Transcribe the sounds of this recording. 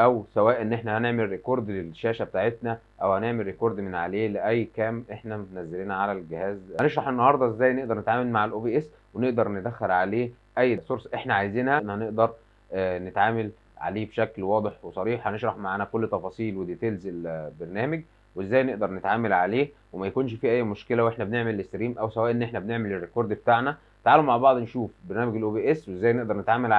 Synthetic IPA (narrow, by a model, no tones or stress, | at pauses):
ʔæwsæwæːʔenːʔeħnæhæneʕmelɾekoɾd̪lelʃæːʃæbet̪aːʕet̪næ | ʔæwhæneʕmelːekoɾˤd̪menʕaleːleʔæjːkæːmʔeħnæmet̪næzːeliːnʕalælɡehæːzæneʃɾˤɑħʔenːɑhɑɾˤd̪ˤɑʔezːæːjneʔd̪ɑɾnet̪ʕaːmælmaʕalʔoːbiʔes | weneʔd̪ɑɾˤned̪æxːeɾʕaleː | ʔæjːsˤoɾsˤʔeħnæʕajziːnhæʔnːhæneʔd̪ɑɾˤ | net̪ʕaːmæl | ʕa̰leːbeʃæklwɑːd̪ˤeħwesˤɑɾiːħhæneʃɾˤɑħmaʕaːnækolːt̪ˤːɑfɑːsˤiːlwed̪eːt̪eːlzelbeɾnæːmeɡ̚ | wezːæːjneʔd̪ɑɾˤnet̪ʕaːmælʕaleːwemæjækuːnʃfiːʔæjːmoʃkelæwʔeħnæbeneʕmelest̪ɾiːmʔæwsæwæːʔenːʔeħnæbeneʕmelerːekoɾˤd̪bet̪aːʕnæ | t̪ʕaːlːomaʕbɑʕd̪ˤnʃuːfbeɾnæːmæɡelʔoːbeːʔesweezːæːjneʔd̪ɑɾˤnet̪ʕaːmælʕ